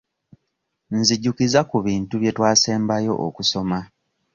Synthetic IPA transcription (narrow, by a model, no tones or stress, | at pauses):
nziɟːukizakuβiːntuβje̞twaːse̞ːmbajo̞̰ʔo̰kuso̞ma